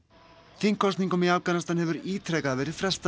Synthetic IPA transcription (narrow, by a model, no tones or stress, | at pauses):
θɪŋkʰɔst̪niŋkʏmɪaːvkanast̪anhɛvʏɾiːt̪ʰɾɛkaðvɛːɾɪðfɾɛst̪